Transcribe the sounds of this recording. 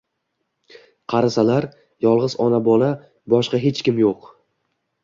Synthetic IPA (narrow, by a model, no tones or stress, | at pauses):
qʰɑɾasalaɾ | jɒlˠʁɨzɒnabɒla | bɒʃqɑɦe̞t͡ʃkʲɪmjoq